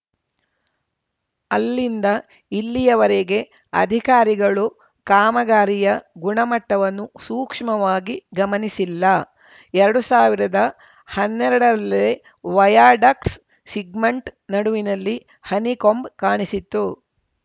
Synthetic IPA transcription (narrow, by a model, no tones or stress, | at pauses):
ɐlːind̪ɐ | ilːijɐʋɐɾeɡe̞ | ɐ̰d̪ʱikaːɾiɡɐɭu | kaːmɐɡaːɾijɐɡuɳɐmɐʈːɐʋɐnːusuːkʂmɐʋaːɡiɡɐmɐnisilːɐ | ɛɾɐɽusaːʋiɾɐd̪ɐ | hɐnːɛɾɐɽɐɾɐlːɐe | ʋɐjaːɖɐks | siɡmeɳʈnɐɽuʋinɐlːi | hɐnikombkaːɳisit̪ːu